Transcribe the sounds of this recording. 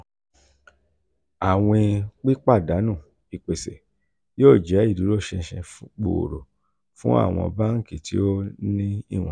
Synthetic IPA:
a˨w̃ẽ˧k͡pi˦k͡pa˦˨da˨˦nũ˦˨ | i˨k͡pe˨sɛ˨ | joː˦˨d͡ʒɛ˨˦i˦˨du˨˦ɾo˦˨ʃɛ̃˧ʃɛ̃˧fk͡po̰˨o̰˨ɾo˨ | fũ˦a̰˦˨w̃ɔ̰̃˧ba˦ŋ̩˦˨ke˨ti˨˦o˦nĩ˦ḭ˦˨w̃ɔ̃˨

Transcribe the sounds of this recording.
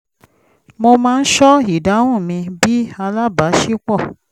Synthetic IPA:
mo˧mãː˦˧n̩˦ʃɔ˦i˨da˨˦wũ˦˨mĩ˧bi˦a˧la˦ba˨˦ʃi˦k͡pɔ˦˨

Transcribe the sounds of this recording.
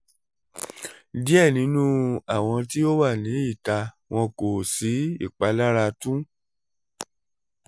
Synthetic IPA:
di˦ɛ˦˨nĩ˨˦nũ˦a˦˨w̃ɔ̃˧ti˦o˦wa˦˨nĩ˨˦i˦˨ta˧ | w̃ɔ̃˧ko˨si˨˦ḭ˦˨k͡pa˨˦la˦ɾa˧tũ˦

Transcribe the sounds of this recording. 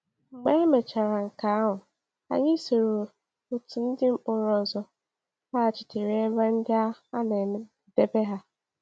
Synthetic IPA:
ŋ͡m̩˨ɡ͡be˦me˨t͡ʃa˨ɾa˨ŋ̩˨ka˨a˦ɦʊ˨ | a̰˨ɲɪ˦so˨ɾo˨ | o˨tu˨n̩˦dɪ˦m̩˦ʊ˨ɾɔ˨zɔ˨ | ha˦a˨t͡ʃɪ̥˨te˨ɾe˦ba˦n̩˦dɪ˦a˦a˦ne˨e˦ | de˦be˦ɦa˦

